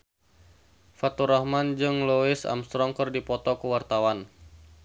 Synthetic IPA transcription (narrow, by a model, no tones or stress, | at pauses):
fat̪uɾɔhmand͡ʒɨŋloɪsa̰mst̪ɾɔŋkərdipɔt̪ɔkəwart̪awan